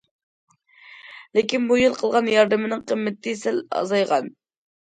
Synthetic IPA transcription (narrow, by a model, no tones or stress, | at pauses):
lɪkʲinbujɨlˠqʰəlˠʁɑnjɑɾd̪ɨmɪnɨŋqʰəmːɪt̪ʰːɪsɛlɑ̰zɑjʁɑn